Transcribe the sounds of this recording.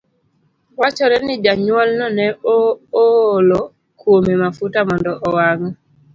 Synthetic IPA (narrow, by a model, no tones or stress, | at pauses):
wat͡ʃɔɾɛnɪd͡ʒaɲwɔlnɔnɛolɔ | kwomemafutamɔndɔʔɔwaŋ